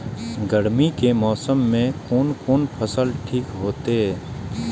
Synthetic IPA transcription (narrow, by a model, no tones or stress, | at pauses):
ɡəɽmikemɔːsəmːẽkoːnkoːnpʰəsəlʈʰiːkɦoːt̪eɦɛː